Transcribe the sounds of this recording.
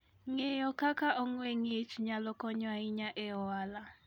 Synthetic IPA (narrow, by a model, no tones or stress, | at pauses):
ŋɛjɔkʰakʰaʔɔŋweŋit͡ʃʰuɲalɔkɔɲwaiɲaʔɛɔwaːla